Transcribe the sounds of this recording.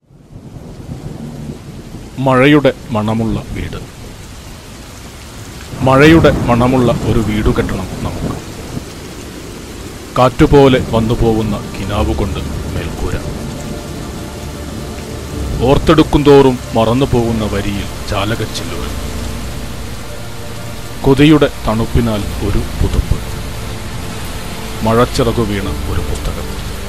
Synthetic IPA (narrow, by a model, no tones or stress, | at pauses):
mɐɻɐjuɽe̞mɐɳɐmuɭːɐʋḭːɽɨ | mɐɻɐjuɽe̞mɐɳɐmuɭːɐʔo̞ɾuʋiːɽukeʈːɐɳɐmnɐmukːɨ | kaːtːupo̞ːle̞ʋɐnːupo̞ːɣunːɐkinaːʋuko̞ɳɖɨme̞lkuːɾɐ̰ | o̞ːrt̪ːe̞ɽukːund̪o̞ːrumːɐrɐnːupo̞ːɣunːɐʋɐɾijil | t͡ɕaːlɐɣɐt͡ɕːilːurḛ | koðijuɽe̞t̪ɐɳupːinaːlo̞ɾupuðupːɨ | mɐɻɐt͡ɕːirɐɣuʋiːɳɐo̞ɾupust̪ːɐɣɐ̰m